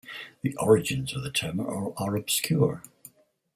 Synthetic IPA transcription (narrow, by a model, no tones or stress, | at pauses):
ðiʔɔɹɨd͡ʒɨ̃nzʌvðɨtʰɛmə˞ə˞əɹɨb̥skʰjʊɹ